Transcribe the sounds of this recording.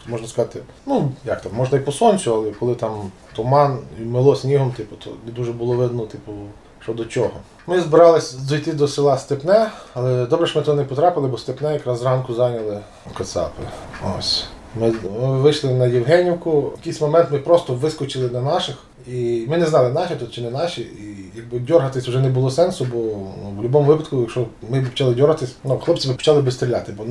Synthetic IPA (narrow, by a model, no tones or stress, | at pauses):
mɔʒnɐskɐzɑt̪ɪ | nujɑk̚t̪ɑmːɔʒnɐipɔsɔnʲt͡sʲʊɐlˠɛkɔlˠɪt̪ɑmt̪ɔmɑnimɪlˠɔsʲnʲiɦɔmt̪ɪpʊ̥t̪ʰɔ̰d̪uʒɛbʊlˠɔʋɪd̪nɔt̪ɪpʊ | ʃt͡ʃɔd̪ɔt͡ʃʲɔɦɔ | mɪzbɪɾɑlˠɪsʲd̪ɔjt̪ɪd̪ɔsɪlˠɑst̪epnɛɐlˠɛd̪ɔbɾɛʃmɪt̪nɛpɔt̪ɾɑpɪlˠɪbɔst̪epnɛjɐkɾɑzrɑnkʊzɑnʲɐlˠɪ | kɐt̪sɑ̰pɪo̰sʲ | mɪʋɪʃlˠɪnɐjiwɦɛnʲiwkʊjɐkɪjsʲmɔmɛnt̪mɪpɾɔst̪ɔʋɪskɔt͡ʃɪlˠɪnɐnɑʃɪx | imɪnɛznɑlˠɪnɑʃit̪ut̪̚t͡ʃɪnɛnɑʃiijɐɡ̚bɪdʲɔrɦɐt̪ɪsʲʊʒɛnɛbʊlˠɔsɛnsʊbɔnuwlʲʊbɔmʊʋɪpɐt̪kʊjɐkʃɔmɪbpɔ̥t͡ʃɑlˠɪdʲɔɾɦɐt̪ɪsʲnuxlˠɔpt͡sʲibɪpɔ̥t͡ʃɑlˠɪbɪst̪ɾʲilʲa̰t̪ɪbɔn